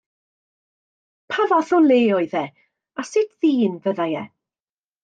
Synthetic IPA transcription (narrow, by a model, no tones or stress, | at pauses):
pʰavɔθɔnlˠeːɔɨðɛ | asɪtʰðiːnvəðajɛ̰